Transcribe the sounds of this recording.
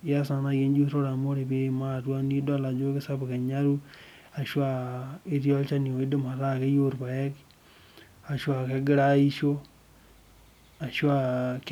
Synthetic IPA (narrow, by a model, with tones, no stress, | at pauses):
ja˦sa˨na˨ɣe˦nd͡ʒu˦ɾo˦ɾa˨mo˦ɾe˨βe˦ma˦˨twa˦ni˦da˦˨la˨d͡ʒo˦ke˦sa˦βke˨ɲa˦ɾu˦ | a˨ʃwa˨i˦ɾjo˦lt͡ʃa˦ni˨o˨i˦de˦ma˨ɾa˦ke˦jo˦ɾβa˨e˦k | a˨ʃwa˨ke˦ɡɪ˦ɾa˦i˦ʃo˦ | a˨ʃwa˦˨k